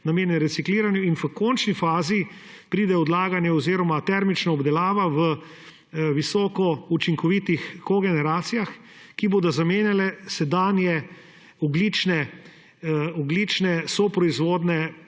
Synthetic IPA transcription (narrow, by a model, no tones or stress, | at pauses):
nameːnjɛɾɛt̪sikliːɾanjuinfəkɔːnt͡ʃnifaːzi | pɾiːd̪ɛɔd̪laːɡanjɛɔziːɾɔmat̪ɛɾmit͡ʃnaɔbd̪ɛlaːʋaʋə | ʋisɔːkɔut͡ʃiŋkɔʋiːt̪ixkɔɡɛnɛɾaːt̪sijax | kiboːd̪ɔzameːnjalɛsɛd̪aːnjɛ | ɔɡliːt͡ʃnɛ | ɔɡlit͡ʃnɛsɔpɾɔizʋoːd̪nɛ